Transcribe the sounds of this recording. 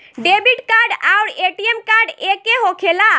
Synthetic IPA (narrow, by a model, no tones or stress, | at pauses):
ɖebiʈkaɾɖawɾeʈiemkaɾɖekeɦokʰela